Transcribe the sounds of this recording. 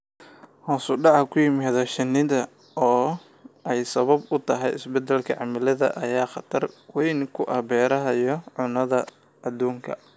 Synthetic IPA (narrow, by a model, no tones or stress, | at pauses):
hɔːsʊɖɑʕɑkʰʊjɪmaːðɐʃɪnɪðɐ | ɔː | ɛjsɐβɐbʊt̪ʰɐɦɛjɪsbɛd̪ɛlkʰɐʕɑmɐlɐðɐ̰ʔɐjaːχɑt̪ʰɐrwɛjnkʰʊʔɐbɛːɾɐɦɐjɔʕʊnɐðɐ | ɐd̪uːŋkʰɐ